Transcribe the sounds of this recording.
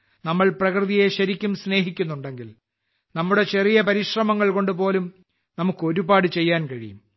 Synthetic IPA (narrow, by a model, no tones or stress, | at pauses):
nɐmːɐɭprɐkrɨðije̞ɕɐɾikʲːumsne̞ːɦikʲːunːuɳɖe̞ŋɡil | nɐmːuɽe̞t͡ɕe̞rijɐpɐɾiɕrɐmɐŋːɐɭko̞ɳɖupo̞ːlum | nɐmukːɨo̞ɾubaːɽɨt͡ɕe̞jːaːnkɐɻḭjṵm